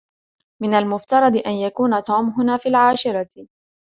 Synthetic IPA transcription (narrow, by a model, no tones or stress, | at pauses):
mɪnalmʊft̪ɑɾˤɑd̪ʔanjakuːnat̪uːmɦʊnaːfiːlʕaːʃɪɾˤɑ